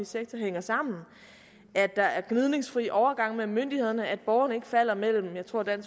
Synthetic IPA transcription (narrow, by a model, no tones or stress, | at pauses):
iseɡ̥̚t͡sʰɒɦeŋ̰ɐsɑ̈m̰n̩ | ʔæd̥ːɑ̈æɐɡ̥nið̞ˠne̝ŋsfʁḭːʔɒʊɐɡ̥ɑ̈ŋ̰memønd̥ihe̝ð̰ˠɐnəæd̥̚b̥ɒʊɐnəe̝ɡ̥əfæl̰ɐmel̰m̩jɑ̈ɪt͡sʰʁo̝ɐd̥æn̰s